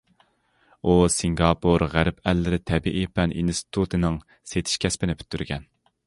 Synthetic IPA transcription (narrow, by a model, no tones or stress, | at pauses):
usiŋɡɑpʰoɾʁæɾpɛlːɪɾɪt̪ʰɛbiʔipʰɛnʔinst̪ɪ̥t̪ʰut̪ʰɨnɪŋ | set̪ʰɪ̥ʃkʲʰɛspɪnɪpʰy̥t̪ʰːyɾɡʲɛn